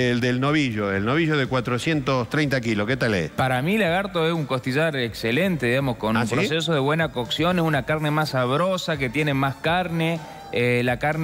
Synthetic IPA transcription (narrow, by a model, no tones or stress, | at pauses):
eld̪elnoβiʒoelnoβiʒoðekwat̪ɾosjent̪ost̪ɾejnt̪akiloket̪alḛspaɾamilaɣaɾt̪oesuŋko̞st̪iʒaɾekselent̪e̞ðiɣamo̞skonuaspɾos̬es̬oðeβwe̞nakoksjo̞neunakaɾne̞masaβ̞ɾosak̬et̪jenemaskaɾne | elakaɾn